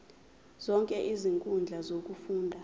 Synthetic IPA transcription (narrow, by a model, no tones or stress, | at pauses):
z̥ɔŋkʼɛʔiziŋkʼund͡ɮʱazok̬ʼufuːndʱa